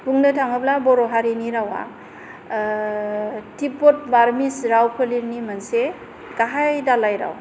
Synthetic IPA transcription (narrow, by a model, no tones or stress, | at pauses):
buŋnɯtʰaŋɯblabɔɾɔɦaɾiniɾawa̰ | tipːɔt̚baɾmisɾawpʰəliɾnimanse | ɡaɦajdalajɾa̰w